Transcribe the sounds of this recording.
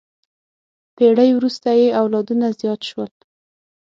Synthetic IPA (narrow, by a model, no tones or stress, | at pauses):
peɽəjwɾust̪ajeawlɑd̪unazjɑt̪ʃwəl